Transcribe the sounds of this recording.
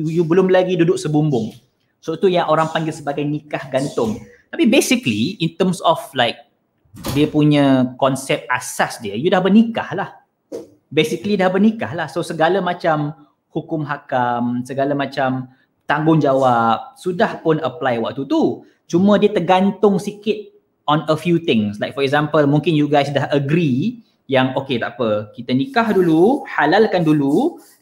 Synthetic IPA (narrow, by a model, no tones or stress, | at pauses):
jubəlʊmlaɡidudʊk̚səbumbʊŋ | soit̪ujaŋʔoɾaŋpaŋɡɪlsəbaɡajnikahɡant̪ʊŋ | t̪apibesikliint̪əmsɔflaɪk̚ | diəpuɲə̃kɔnsɛp̚t̪̚ʔasasdiəjudahbənika̰hlah | besiklidahbərnikahlahsosəɡalamãt͡ʃam | hukʊmɦakamsəɡalamãt͡ʃam | t̪aŋɡʊŋd͡ʒawap̚sudahpʊnəplajwa̰k̚t̪ut̪u | t͡ʃumə̃diət̪ərɡant̪ʊŋsikɪt̪̚ | ɔnəfjut̪ɪ̃ŋslajkfɔɾɛk̚zãmpəlmũŋkɪnjuɡajsdahəɡɾi | jaŋoket̪aʔpəkit̪ənikahduluhalalkandulu